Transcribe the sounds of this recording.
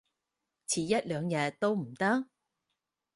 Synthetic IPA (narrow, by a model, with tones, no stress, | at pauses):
t͡sʰiː˨jɐ˥t̚lœː˨˧ŋjɐ˧t̚t̪ːo˥wm̩˨˩t̪ɐ˥k̚